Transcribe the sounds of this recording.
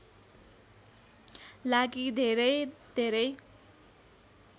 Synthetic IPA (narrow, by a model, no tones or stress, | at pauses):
laɡid̪ʱeɾʌjd̪ʱeɾʌj